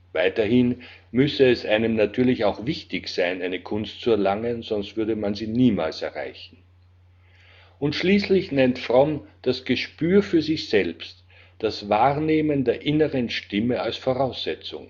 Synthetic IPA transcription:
vaɪtɐhɪnmʏsəɛsʔaɪnəmnatʰyːɐlɪçaʊxvɪçtɪçz̥aɪnaɪnəkʰʊnstt͡suɛɐlaŋənzɔnstv̥ʏɐdəmanziːniːma̰ːlsɛɐʁa̰ɪçn̩ | ʊntʃliːslɪçnɛntfʁɔmd̥asɡ̥əʃpyːɐfyːɐzɪçz̥ɛlpst | d̥asvaːʁneːməndeːɐʔɪnəʁənʃtɪməalsfoʁaʊsz̥ɛt͡sʊ̰ŋ

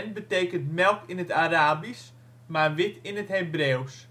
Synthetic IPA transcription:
nbətejkəntmɛlˠkɪnətaɾaːbis | marʋɪtɪnətɦebreːws

